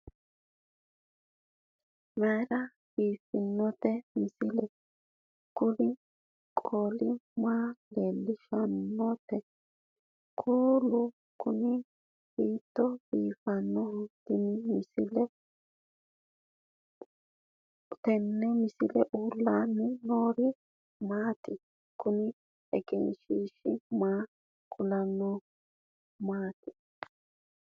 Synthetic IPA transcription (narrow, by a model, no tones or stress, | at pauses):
mɛːɾɐ | b̥iːfɪnːɔt̪ɛmɪsɪlɛ | kʊlɪ | kʼoːlɪmaːle̞ːlːɪʃɐnːɔt̪ɛ | kʰʼuːlʊ | kʊnɪ | b̥iːt̪ːɔbiːfɐnːɔd̪ɪnimɪsɪlɛ | t̪ɛnːɛmɪsɪlɛʔuːlːanːɪnoːɾi | maːt̪ɪ | kʊnɪ | ɛɡɛ̰nʃiʃɪmaː | kʰʊlɐnɔ | maːt̪ɪ̥